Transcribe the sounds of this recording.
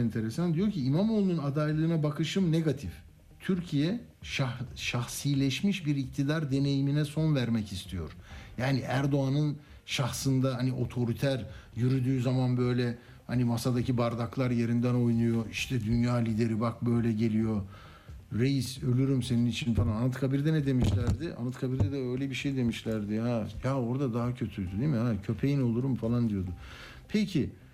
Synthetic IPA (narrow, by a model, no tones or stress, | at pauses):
ɛnt̪ʰe̞ɾesand̪ijo̞ɾcʰiːmamolˠnunad̪ajlˠɯːnabakʰɯʃɯmneɡat̪ʰif | t̪ʰyɾcʰijɛʃaʃaxsilʲɛʃmiʃbiɾic̚t̪ʰid̪aɾd̪e̞ne̞jiminɛso̞nvæɾmɛcist̪ʰijo̞̰ɾ̥jaːniʔæɾd̪o̞anɯn | ʃaxsɯnd̪aɦaniʔo̞t̪ʰo̞ɾit̪ʰæɾjyɾyd̪yːzamanbø̞jlʲɛ | hanimasad̪acʰibaɾd̪aklˠaɾje̞ɾind̪æno̞jnujo̞iʃt̪ʰɛd̪ynjaːlʲid̪e̞ɾibak̚bø̞jlʲɛɟe̞lʲijo̞ | ɾe̞jisø̞lʲyɾymse̞ninit͡ʃʰinfalˠananat̪kʰabiɾd̪ɛnɛd̪e̞miʃlʲæɾd̪ɪʔa̰nat̪kʰabiɾd̪ɛd̪ɛø̞jlʲɛbiʃejd̪e̞miʃlʲæɾd̪ɪajao̞ɾd̪ad̪aɦacʰø̞t̪ʰyd̪yd̪emihacʰø̞pʰe̞jino̞lˠuɾumfalˠand̪ijo̞d̪ʊ | pʰɛcʰi